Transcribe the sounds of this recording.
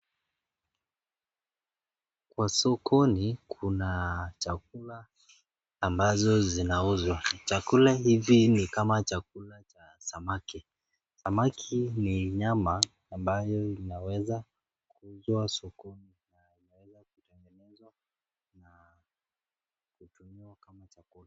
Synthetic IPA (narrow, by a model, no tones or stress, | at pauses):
kwasɔkʰɔnikʰunat͡ʃak̚ulaː | mbazɔzinauzwat͡ʃakulahivinikamat͡ʃak̚ulat͡ʃa | samaki | samakʰiniɲamaː | mbajɔinawɛza | kuuzwasɔkɔni | na | inawɛzakutɛŋɡɛnɛzwa | na | kutumiwakamat͡ʃakula